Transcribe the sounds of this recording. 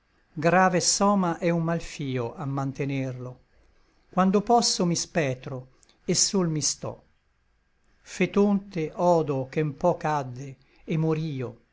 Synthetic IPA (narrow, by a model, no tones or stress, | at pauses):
ɡɾaːvesɔːmaʔɛumːalfiːoʔamːant̪enerlo | kwand̪opɔsːomispɛːt̪ɾo | esːolmist̪ɔ̰ | fet̪ont̪eʔɔːd̪okempɔkad̪ːe | emːoɾiːo